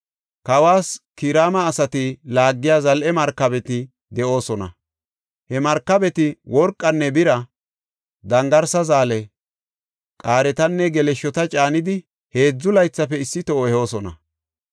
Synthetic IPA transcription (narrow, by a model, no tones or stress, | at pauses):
kɐwaːskiɾaːmɐːsɐt̪ɪlaːɡːɪjaːzɐlʔɛmɐɾkːɐbɛt̪ɪ | d̪ɛʔo̞ːsɔnɐ̰ | hɛmɐɾkːɐbɛt̪ɪwɔɾkʼːɐnːɛbɪɾɐ | d̪ɐŋɡɐɾsɐzaːlɛ | kʼaːɾɛt̪ɐnːɛɡɛlɛʃːɔt̪ɐt͡ʃʼaːnɪd̪ɪ | he̞ːd͡zːʊlɐjt͡sːɐpɛɪsːɪt̪ɔho̞ːsɔnɐ̰